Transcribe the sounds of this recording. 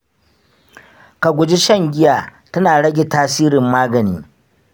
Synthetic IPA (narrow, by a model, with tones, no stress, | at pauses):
ka˨ɡʷʊ˨d͡ʒi˦ʃɐ˦˨ŋɡʲɪ˦jaː˨ | tɐ˦naː˨ɽɐ˦ɡʲe˨taː˦siː˦ɾɪ˨mːaː˦ɡɐ˨nḭː˦